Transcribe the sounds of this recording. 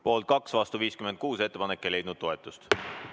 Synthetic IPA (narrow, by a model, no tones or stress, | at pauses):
po̞ːlt̪̚kɑksvɑst̪uviːskymend̪̚kuːse̞t̪ːepɑnekːejle̞jd̪nud̪̥̚toet̪ːˑust̪